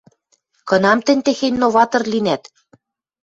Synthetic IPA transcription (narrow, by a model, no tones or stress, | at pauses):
kɤ̆nɑmt̪ɘ̆nʲt̪exenʲnoβɑt̪ɤ̆rlinæt̪